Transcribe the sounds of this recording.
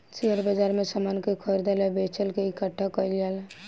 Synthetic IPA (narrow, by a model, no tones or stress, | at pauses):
t͡ʃeəɾbəd͡ʒaɾmesəmankekʰɔjɾd̪elɛbet͡ʃəlkeikəʈʰːakəilal